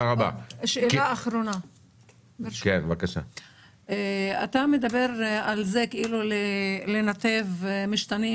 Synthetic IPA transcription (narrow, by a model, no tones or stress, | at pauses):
aʁaba̰ʃeeaːχɾona | kenvakaʃa̰ | ea̰t̪ame̞d̪abe̞ɾalzekeilulele̞nat̪e̞vmiʃt̪ani